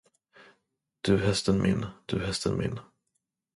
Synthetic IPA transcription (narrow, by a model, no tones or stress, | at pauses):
d̪̥ɵɦɛst̪ənmʔɪ̰nːd̪̥ɵɦɛst̪ʰənmʔɪ̰nː